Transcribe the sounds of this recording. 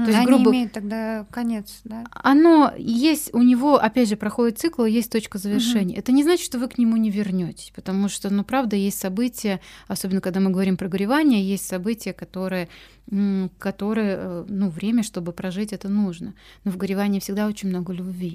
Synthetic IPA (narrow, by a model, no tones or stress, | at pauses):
t̪oɪsʲɡɾuɪbəmejʊt̪ːɐɡ̚d̪akɐnʲet̪sd̪aɐno̞jesʲtʲʊnʲɪvo̞ʔɐpʲædʲʐɨpɾɐxo̞dʲɪt̪t̪sɨklˠɨjesʲtʲt̪o̞t͡ɕkəzəvʲɪrʂɛnʲɪjɛt̪ənʲɪznat͡ɕɪ̥t̪ʂt̪ovɨknʲɪmunʲɪvʲɪrnʲotʲɪ̥sʲpə̥t̪ɐmuʂt̪onupɾavd̪əjesʲtʲsɐbɨtʲɪjəɐso̞bʲɪnəkɐɡ̚d̪amɨɡəvɐɾʲimpɾəɡəɾʲɪvanʲɪjəjesʲtʲsɐbɨtʲɪjəkɐt̪o̞ɾɨjə | kɐt̪o̞ɾɨjənuvɾʲemʲəʂt̪o̞bɨpɾɐʐɨtʲɛt̪ənuʐnə | novɡəɾʲɪvanʲɪːfsʲɪɡd̪ao̞t͡ɕɪnʲmno̞ɡəlʲʊbʲvʲi